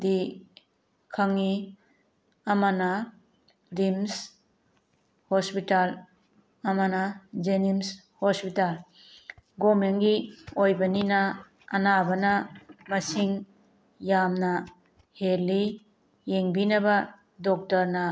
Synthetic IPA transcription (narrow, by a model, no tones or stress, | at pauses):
di | kʰaŋːi | ɐmanɐ | dims | hospital | ɐmanɐd͡ʒenims | hospital | ɡomenɡiojbɐninɐː | nabɐnɐmɐsiŋ | jamnɐ | helːi | jeŋbinɐbɐ | dɔk̚tɐɾnɐ